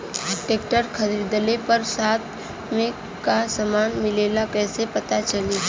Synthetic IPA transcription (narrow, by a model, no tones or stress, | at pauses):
ɖɪʈeːkʈəɾkʰəɾiɾd̪əlepəɾsaːt̪ | mẽ | kasəmaːnmɪleːlakɛːsepɐt̪at͡ʃəli